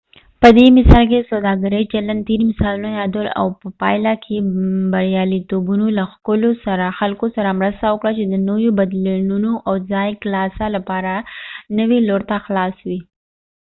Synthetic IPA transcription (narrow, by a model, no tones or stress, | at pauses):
pəd̪emɪsɑlk̬esawd̪ɑɡaɾəjt͡ʃalant̪iɾmɪsɑlunajɑd̪əla̰wpəpɑjlakʰebaɾjɑlit̪obunolaxkʊlosaɾaxalkosaɾamɾəst̪awəkɽat͡ʃed̪ənojobad̪lanunoʔawzɑjklɑsalapɑɾanəwiloɾt̪axlɑswi